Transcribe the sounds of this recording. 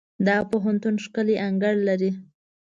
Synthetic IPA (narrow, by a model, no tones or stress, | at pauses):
d̪ɑpoɦant̪unʃkəleʔaŋɡaɽlaɾi